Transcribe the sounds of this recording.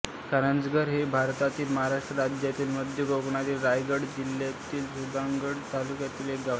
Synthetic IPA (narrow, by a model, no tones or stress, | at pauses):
kaɾənd͡zɡəɾɦebʱaɾt̪at̪iːlməɦaɾaʂʈɾəɾad͡ʑjat̪iːlməd̪ʱjəɡoɡɳat̪iːlɾajɡəɽd͡ʑiljat̪iːlsud̪aŋɡəɽt̪alukjat̪iːlekɡa